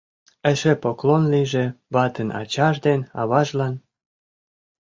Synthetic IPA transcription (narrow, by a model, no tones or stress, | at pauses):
ə̆ʃepoklonliʒĕβɑt̪ənɑ̰t͡ɕɑʒd̪enɑ̰βɑʒlɑn